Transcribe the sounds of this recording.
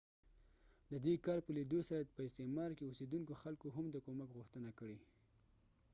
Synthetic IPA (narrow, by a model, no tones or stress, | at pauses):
d̪əd̪ekɑɾpəlid̪osaɾapəɪst̪emɑɾkeosid̪unkoxalkoɦamd̪əkomakɣʊxt̪ənakəɽe